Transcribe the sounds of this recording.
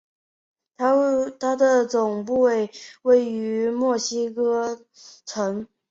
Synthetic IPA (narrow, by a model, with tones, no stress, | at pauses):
a˥t̪ʰa˥d̪ə˨t͡sʊ˨˩ŋpu˥˧we˥˩ɪwe˥˩ɪy˧˥mwɔ˥˩ɕi˥kɤ˥ | ʈ͡ʂʰɤ˧˥ŋ